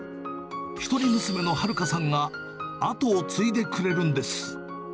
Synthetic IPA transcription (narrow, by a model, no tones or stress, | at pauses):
çi̥t̪o̞ɾʲimɯ̟sɨme̞no̞haɾɯ̟kasãŋɡa | at̪o̞ːt͡sɨid̪e̞kɯ̟ɾe̞ɾɯ̟̃nd̪e̞sɨ̥